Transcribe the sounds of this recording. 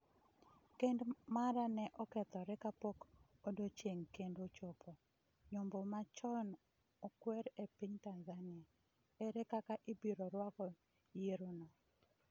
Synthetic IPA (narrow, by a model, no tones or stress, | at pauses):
kendmaɾanɛʔɔkɛt̪ɔɾɛkapok | odot͡ʃeŋkendot͡ʃopʰɔ | ɲombomat͡ʃɔn | ɔkwɛɾepiɲtanzanɪa | eɾɛkakaʔɪbiɾɔɾwakɔ | jeɾonɔ